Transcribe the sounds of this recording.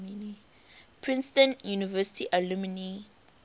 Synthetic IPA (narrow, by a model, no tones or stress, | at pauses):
mini | pʰɹĩnstə̃njunivɛsi̥tʰiʔalumini